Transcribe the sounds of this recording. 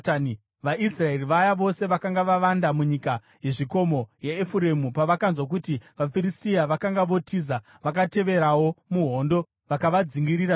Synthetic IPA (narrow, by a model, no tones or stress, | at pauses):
ʋaʔisrae̞riʋajaʋo̞se̞ʋakaŋɡaʋaʋandamuɲika | je̞ʐiko̞mo̞jeːfuɾe̞mupaʋakanzwak̬utiʋafiɾistijaʋakaŋɡaʋo̞tʰiːza | ʋakate̞ʋe̞ɾawo̞muɦo̞ːndo̞ | ʋakaʋad͡ziŋɡiɾiɾa